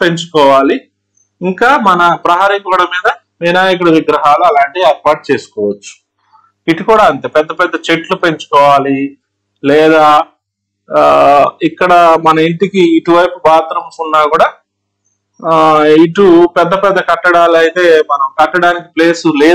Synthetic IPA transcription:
pe̞ɲt͡ʃu̥kɔːʋaːli | iŋkaːmɐnɐpɾɐɦaːɾikuʋɐɽɐmiːd̪ɐ | miːnaːjɐk̬uɽɐʋiɡɾɐɦaːluɐlaːɳʈiɛːɾpaːʈ̚t͡ʃeːsu̥kɔːʋɐt͡ʃːu̥ | iʈukuːɽaːɐnt̪eːpɛd̪ːɐpɛd̪ːɐt͡ʃe̞ʈlupe̞ɲt͡ʃu̥kɔːʋaːli | lɛːd̪aː | ikːɐɽɐmɐnɐiɳʈikiːʈuʋɐjpubaːt̪ɾɐmɐsunːaːkuːɽaː | iʈupɛd̪ːɐpɛd̪ːɐkɐʈːɐɽaːlɐjit̪e̞ːmɐnɐmkɐʈːɐɽaːnikiple̞ːsuleː

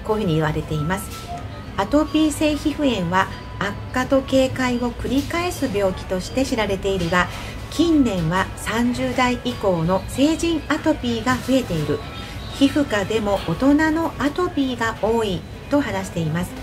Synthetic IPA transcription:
koːçɯ̟ɲ̟iɯ̟βaɾe̞t̪e̞imasɨ̥ | at̪o̞pʲiːse̞ːçiɸɯ̟ẽ̞ɰ̃βaː | kːat̪o̞ke̞ːkaiβo̞kɯ̟ɾʲikae̞sɨbʲo̞ːkʲi̥t̪o̞ɕi̥t̪e̞ɕiɾaɾe̞t̪e̞iɾɯ̟ɡa | kʲĩnːẽ̞ɰ̃βasãɲ̟d͡ʑɨːd̪aiʔiko̞ːno̞se̞ːʑĩɰat̪o̞pʲiːɡaɸɯ̟e̞t̪e̞iɾɯ̟ | çiɸɯ̟kad̪e̞mo̞ʔːt̪o̞nano̞ʔat̪o̞pʲiɡaʔo̞ːi | t̪o̞ɦanaɕi̥t̪e̞imasɨ̥

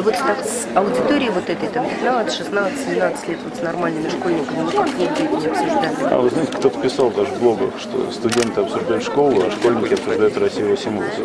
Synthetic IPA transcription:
vot̪st̪akɐʊdʲɪt̪oɾʲɪːvo̞t̪ɛt̪əjt̪ampʲɪt̪nat̪sət̪ʂɨsnat̪sɨ̥sʲɪmnat̪sɨ̥tʲlʲet̪vo̞t̪snɐrmalʲnɨmʲɪʂko̞lʲnʲɪkəmʲɪnot̪əknʲid̪ʲet̪ʲnʲɪɐpsʊʐd̪alʲɪa̰vɨznaɪtʲɪkt̪o̞t̪ə̥pʲɪsɑlˠvd̪aʐɨvblˠo̞ɡəxʂt̪o̰st̪ʊdʲe̞nt̪ɨɐpsʊʐd̪ajʉt̪ʂko̞lˠʊaʂko̞lʲnʲɪkʲɪɐpsʊʐd̪ajʊt̪rɐsʲijɪvosʲɪmus

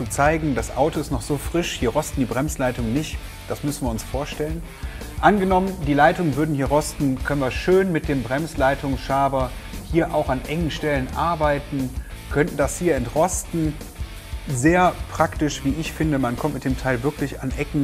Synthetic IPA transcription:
t͡sut͡saɪɡŋ̩dasʔa̰ʊtoɪstnɔχz̥oːfʁ̥ɪʃhiːɐʁɔstn̩diːbʁɛmslaɪtʊŋənɪçt | d̥asmʏsn̩viːɐʊnsfoːɐʃtɛlən | ʔanɡənɔməndiːlaɪtʊŋənvʏɐdn̩hiːɐʁɔstn̩kʰœnənviːɐʃøːnmɪt̚d̥eːmbʁɛmslaɪtʰʊŋsʃaɐbɐhiːɐʔa̰ʊxanʔɛŋən̩ʃtɛlənʔaɐbaɪtn̩ | kʰœntn̩d̥ashiːɐɪntʁɔstn̩ | zeːɐpʁ̥aktɪʃv̥iːɪçfɪndəmankʰɔmtmɪt̚d̥eːmtʰaɪlvɪɐklɪçanʔɛkŋ̩

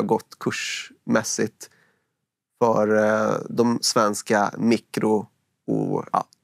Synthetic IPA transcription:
ɡɔt̪ːkʰɵʂmɛsɪt̪ | fœɾd̪ɔmsvɛnska̰mikɾʊ | ṵɑ̰ː

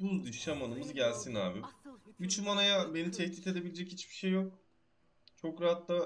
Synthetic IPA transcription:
bud̪ɯʃamanɯmɯzɟælʲsina̰ːbiyt͡ʃymanajabe̞nit̪ʰɛçt̪iːt̪e̞d̪e̞bilʲed͡ʒɛchit͡ʃbi̥ʃe̞jːo̞k̚ | t͡ʃʰo̞kɾaɦat̪la

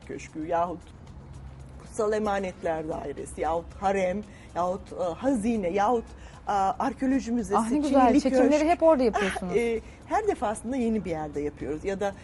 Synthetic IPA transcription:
cʰø̰ʃcyjaːɦut̪ | kʰu̥salˠemaːnɛt̪lʲæɾd̪a̰ːɦiɾḛsijaːhut̪haɾɛm | jaːhut̪ːhaziːnɛjaːhut̪ː | aɾcʰeo̞lʲo̞ʒimyzeasnieyzlit͡ʃʰeøilʲeɾiɦɛpo̞ɾd̪ajapɯjosunɛ | hæɾd̪e̞faːslˠɯnd̪aje̞nibijæɾd̪ɛjapʰɯjo̞ɾuzjad̪a

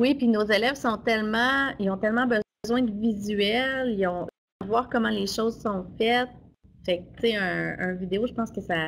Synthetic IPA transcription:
wipinozelɛvsɔ̃t̪ɛlmɑ̃ilɔ̃t̪ɛlmɑ̃bə | zwɛ̃d̪əvizyɛlijɔ̃ | vwaːʁkɔmɑ̃leʃozsɔ̃fɛt̪̚fɛk̚t̪seə̃ə̃vid̪eoʒəpɑ̃ːskəsa

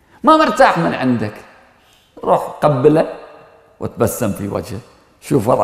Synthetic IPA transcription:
mamɪɾt̪aːħmɪnʕɪnd̪ak | ɾṵːħqabːɪla | wʔɪ̰t̪basːamfiwa̰d͡ʒha | ʃuːfwɑˤ

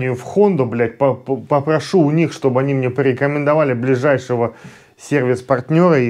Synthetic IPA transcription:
nʲɪjʊfxo̞nd̪ʊblʲætʲpəpəpɾɐʂuːnʲixʂt̪o̞bəɨɐnʲimnʲepɾʲɪkəmʲɪnd̪ɐvalʲɪblʲɪʐajʂɨvə | sʲervʲɪspɐrt̪ʲnʲo̞ɾə

